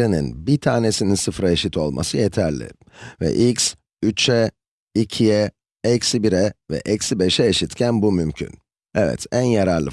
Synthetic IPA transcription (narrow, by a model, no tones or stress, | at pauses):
enḭnbit̪ʰaːnesininsɯfɾaeʃit̪ʰo̞lˠmʔa̰sɯjet̪ʰæɾlʲɪ̰ | vɛ̰ʔics | yt͡ʃʰɛ | icʰijɛ | ɛcsibiɾɛvɛ̰ʔɛcsibeʃɛeʃit̪cʰænbumymcʰy̰n | ɛvɛ̰t̪ʰænjaɾaɾlˠɯ